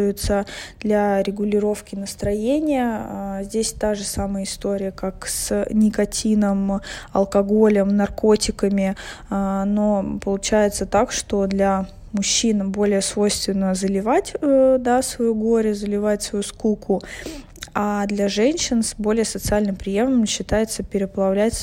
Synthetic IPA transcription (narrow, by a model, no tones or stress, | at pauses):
ʊjʊt̪səd̪̥lʲaɾʲɪɡʊlʲɪɾo̞fkʲɪnəst̪ɾɐjenʲɪjəzʲdʲesʲt̪aʐɨsaməjəɪst̪o̞ɾʲɪjəkaksnʲɪkɐtʲʰinəmɐ̰lˠkɐɡo̞lʲəmnɐrko̞tʲɪkəmʲɪ | nopəlˠʊt͡ɕæjɪt̪sət̪akʂt̪o̞d̪lʲa | mʊɕːinbo̞lʲɪjəsvo̞jst̪vʲɪnːəzəlʲɪvatʲd̪asvɐjuɡo̞ɾʲəzəlʲɪvatʲsvɐjuskukʰʊ | ad̪lʲaʐɛnʲɕɪnsbo̞lʲɪjəsət̪sɨalʲnɨmpɾʲɪjevnəmɕːɪt̪ajɪt̪səpʲɪɾʲɪpəlˠɐvlʲætʲ